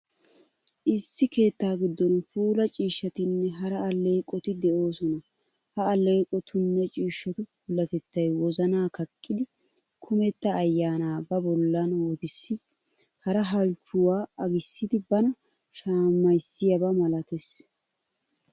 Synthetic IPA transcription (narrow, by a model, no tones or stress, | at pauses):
ʔɪsːɪke̞ːt̪ːaːɡɪd̪ːɔnfuːlɐt͡ʃʼiːʃːɐt̪ɪnːɛɦɐɾɐːleːkʼɔt̪ɪd̪ɛʔo̞ːsɔnɐ | hɐːleːkʼɔt̪ʰʊnːɛt͡ʃʼiːʃːɔt̪ʊhʊlːɐt̪ɛt̪ːɐjwɔzɐnaːkɐkʼːɪd̪ɪ | kʰʊmɛt̪ːɐːjːaːnaːbɐbɔlːɐnwɔt̪ɪsːɪ | hɐɾɐɦɐlt͡ʃːʊwaːɐɡɪsːɪd̪ɪbɐnɐ | ʃaːmːɐjsːɪjɐbɐmɐlɐt̪es